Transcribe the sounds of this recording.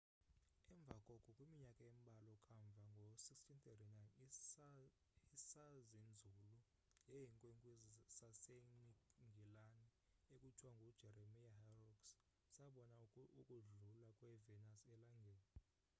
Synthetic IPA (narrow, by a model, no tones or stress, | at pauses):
ɛɱb̪vʱakʼɔkʼɔkʼwimiɲakʼaem̩ɓʱalɔkʰʼaɱb̪vʱaŋɡʱosikstʰint̪etinajn | isazend͡zʱulu | jɛjiŋkʼwɛŋkʼzsaseniŋɡʱilanɛekʼut͡ʃʼwaŋɡʱud̥ʒ̥ʱɛɾemijaharɔks | saɓɔnaukʼuɮulakʼwɛvɛnasɛlaŋɡʱɛːli